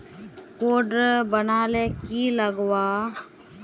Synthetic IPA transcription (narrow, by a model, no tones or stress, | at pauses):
koːɖbənaːleːkiːləɡwaː